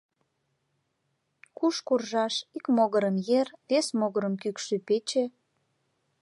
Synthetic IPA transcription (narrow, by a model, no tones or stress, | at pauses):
kuʃkurʒɑʃikmoɣəɾəmjertesmoɣəɾəmkykʃypet͡ɕe